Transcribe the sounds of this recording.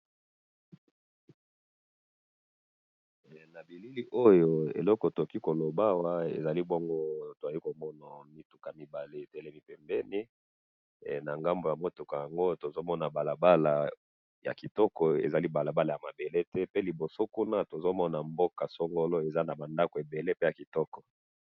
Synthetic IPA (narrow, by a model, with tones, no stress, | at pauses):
na˨bi˨li˦li˦ʔo˦jo˦ḛ˨lɔ˦kɔ˨to˨ki˦ko˨lo˨ba˦wa˦ḛ˨za˨li˦bo˦ŋɡo˦to˨a˨li˦ko˨mɔ˦na˨mi˦tu˨ka˨mi˨ba˨le˦˨tɛ˦lɛ˦mi˨pɛ˨mbɛ˦ni˦˨ | na˨ŋɡa˦mbo˨ja˨mo˦tu˨ka˨ja˨ŋɡo˦to˨zo˦mɔ˦na˨ba˨la˨ba˦la˨ | ja̰˨ki˨tɔ˦kɔ˨ḛ˨za˨li˦ba˨la˨ba˦la˨ja˨ma˨be˨le˦tɛ˦pe˦li˨bo˨so˦ku˦na˦to˨zo˦mɔ˦na˨mbo˦ka˨so˦ŋɡo˦lɔ˦e˨za˦na˨ba˨nda˦ko˨e˨be˨le˦pe˦ja˨ki˨tɔ˦kɔ˨